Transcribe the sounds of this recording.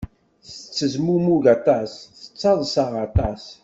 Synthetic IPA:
θət͡sːəzmumuʝɑt̪ˤɑsθə̥t͡sːɑðˤsɑʁɑt̪ɑs

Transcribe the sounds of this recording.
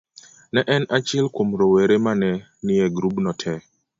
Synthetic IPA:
nɛʔɛnat͡ʃɪlkwomɾoweɾemanɛ | nɪjɛɡɾubnɔtʰɛ

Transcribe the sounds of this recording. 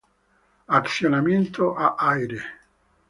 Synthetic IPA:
at̪sjonament̪oʔaʔajɾe

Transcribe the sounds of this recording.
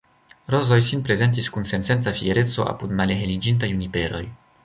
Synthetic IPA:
ɾo̞zo̞jsinpɾe̞ze̞nt̬iskunse̞nse̞nt͡safie̞ɾe̞t͡so̞̰ʔa̰pudmaleɦelid͡ʒint̬ajunipe̞ɾo̞j

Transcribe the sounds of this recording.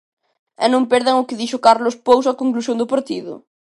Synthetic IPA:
ɛnõmpeɾðeŋʊkɪðiʃokaɾlʊspowsakoŋklusjõnd̪ʊpaɾt̪iðʊ̰

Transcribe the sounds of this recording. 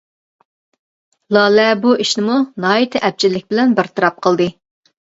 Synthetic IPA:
lˠɑːlɛbuʔiʃnɪmunɑːjit̪ʰɪʔɛp̚t͡ʃʰɪlːɪk̚ʲbɪlɛnbɪɾt̪ʰɨɾɑp̚qʰəlˠd̪ɨ

